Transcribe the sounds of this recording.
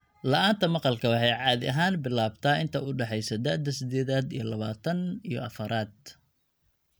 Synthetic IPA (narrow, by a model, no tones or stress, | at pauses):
lɐʔaːnt̪ʰɐmɑqɑlkʰɐwɑħɑjʕɑːðɪʔɐɦaːnbɪlaːbt̪ʰɐːɪnt̪ʰɐʊɖɛħɛjsɐd̪ɐʕd̪ɐsɪd̪ɛːðaːd̪ijɞlɐβaːt̪ʰɐnijɞ̰ʔɐfɐɾʔaːd̪̥̚